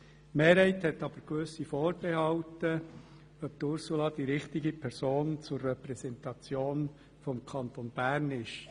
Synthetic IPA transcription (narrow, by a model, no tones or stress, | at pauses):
meːɾhɛɪthɛt̪ːɑb̥əɾkʋøsifoːɾb̥ɛhɑwtə | œp̚t̪ʊɾsulɑd̪iɾɪχt̪ɪɡipʰɛɾsoːnt͡sʊrːɛpɾɛsɛnt̪ɑt͡sjoːn | fɔmkʰɑnt̪onb̥æːɾnɪʃ